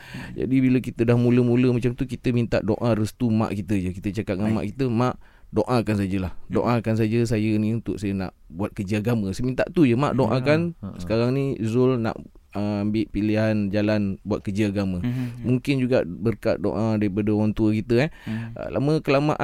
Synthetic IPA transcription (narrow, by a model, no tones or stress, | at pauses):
d͡ʒa̰dibiləkit̪ədahmuləmuləmat͡ʃamt̪ukit̪əmint̪a̰ʔdoʔãrəst̪umã̰ʔkit̪əd͡ʒəkit̪ət͡ʃakat̪̚ŋama̰ʔkit̪əmãʔ | doʔãkans̬ad͡ʒəlahdoʔãkans̬ad͡ʒəs̬ajənĩunt̪ʊ̰ʔsajəna̰ʔbuat̪̚kəd͡ʒəaɡamə̃səmint̪a̰ʔt̪ud͡ʒəma̰ʔdoʔãkansə̥kaɾaŋnĩzʊlna̰ʔ | əambɪʔpiliɦand͡ʒalanbuat̪̚kəd͡ʒəaɡaməmuŋkɪnd͡ʒuɡaʔbərkaʔ̪̚do̰ʔãdaɾipadəwant̪uəkit̪əɛhə̰la̰məkəlama̰ʔ